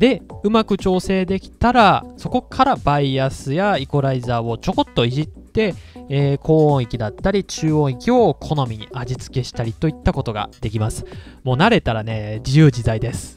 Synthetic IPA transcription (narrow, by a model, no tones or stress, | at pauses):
d̪̥e̞ɯ̟makɯ̟t͡ɕo̞ːse̞ːd̪e̞kʲi̥t̪aɾaso̞ko̞kʰaɾabaiasɨjaiko̞ɾaizaːo̞t͡ɕo̞ko̞t̪ːo̞iʑit̪ːe̞eːkʰo̞ːõɰ̃ikʲid̪at̪ːaɾʲit͡ɕɨːõ̞ikʲio̞kʰo̞no̞mʲiɲ̟iʔad͡ʑit͡sɨ̥ke̞ɕi̥t̪aɾʲit̪o̞it̪ːako̞t̪o̞ɡa̰d̪e̞kʲimasɨ̥mo̞ːnaɾe̞t̪aɾane̞d͡ʑijɯ̟ːd͡ʑid̪aid̪e̞sɨ̥